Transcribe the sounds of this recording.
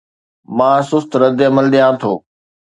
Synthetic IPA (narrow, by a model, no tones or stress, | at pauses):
mãːsʊst̪ɾɐd̪ɪɐməlɗ̪ijãːt̪ʰoː